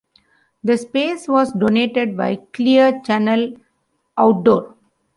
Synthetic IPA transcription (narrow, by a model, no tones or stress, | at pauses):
d̪əspeːsʋɔːsɖoːneːʈeɖ̚ba̰ɪkliəɾt͡ʃænəl | ʔaʊʈ̚ɖoːɾ